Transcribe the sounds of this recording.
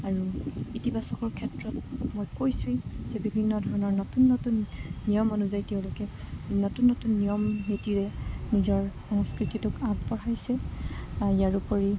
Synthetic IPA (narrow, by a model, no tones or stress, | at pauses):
aɹuitibasɔkɔɹkʰɛtɹɔtmojkojsʊizɛbibʱinːɔdʱɔɹɔnɔɹnɔtunːɔtunːijɔmɔnuzajtɛʊ̃lʊkɛnotunːɔtunːijɔmnitiɹɛnizɔɹxɔŋskɹititʊkabpɔɹajsɛ | jaɹupɔɹi